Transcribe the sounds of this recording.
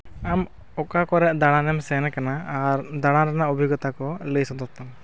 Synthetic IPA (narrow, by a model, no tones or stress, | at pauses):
am | ɔkakɔɾɛʔd̪aɽ̃ãnɛmsɛnɛkanaaɾd̪aɽ̃ãɾanaubʱiɡɔt̪akɔləsɔd̪ɔt̪am